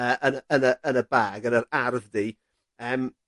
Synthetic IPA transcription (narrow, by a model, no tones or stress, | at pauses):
əːʔənəənəənəbaːɡənəɾarðdi | əːm